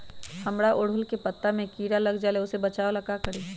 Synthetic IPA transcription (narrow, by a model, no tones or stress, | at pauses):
hɐmɽaʔʊɽ̤ʊlkepɐt̪ːamẽkiːɾalɐɡd͡ʒaːleʊsebɐt͡ʃaːolɐɡakɐɾiː